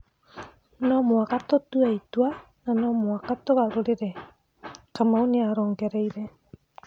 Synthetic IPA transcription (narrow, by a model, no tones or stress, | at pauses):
nɔmoakatɔtuaitwa | nanɔmoakatɔɣaɾoɾeɾɛ | kamaoneaɾɔːŋɡɛɾɛiɾɛ